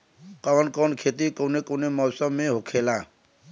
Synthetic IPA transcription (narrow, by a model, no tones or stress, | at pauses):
kawnkɔwnkʰet̪ikɔwnekɔwnemɔwsɔmːeɦokʰela